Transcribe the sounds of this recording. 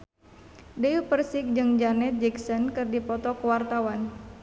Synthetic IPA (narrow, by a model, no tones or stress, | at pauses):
deupərsik̚d͡ʒɨŋd͡ʒanɛt̪̚d͡ʒɛksɔnkɨrdipɔt̪ɔkəwart̪awan